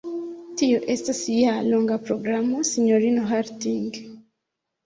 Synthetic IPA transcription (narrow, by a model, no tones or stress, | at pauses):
tioʔestasijaloŋɡapɾoɡɾamosiɲoɾinoɦartiŋɡ